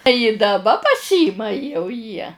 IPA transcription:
jɪ dɐˈbɐ pɐˈsʲiːmɐ jɛʊ jiɛ

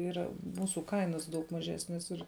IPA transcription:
ˈiːrɐ ˈmuːsʊ ˈkɐɪnɐs dɐʊk mɐˈʒʲæːsʲnʲɛs ɪr

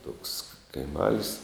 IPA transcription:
toːks kɐɪˈmɐlʲsʲ

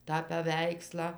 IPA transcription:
tɑː pɐˈʋʲɛɪkslˠɑː

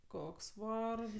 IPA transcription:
ˈkoːks ˈʋɐrks

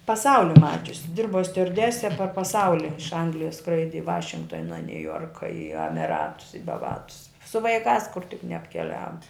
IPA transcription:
pɐˈsɐʊlʲɪ ˈmɑːt͡ʃʲʊsʲɪ ˈdʲɪrboː sʲtʲʊɐrʲˈdʲæːsʲɛ pɐr pɐˈsɐʊlʲɪ ɪʃ ˈɐŋɡlʲɪjɛs ˈskrɐɪdʲɪ ɪ ˈʋɑːʃʲɪŋktoːnɐ nʲʊˈjoːrkɐ ɪ ɐmʲɪˈrɑːtʊs ɪ bɐˈʋɑːtʊs sʊ ʋɐɪˈkɑːs kʊr tʲɪk nʲɛɐpʲkʲɛˈlʲæːʋoː

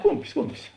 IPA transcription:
ˈkʊmʲpʲɪs ˈkʊmʲpʲɪs

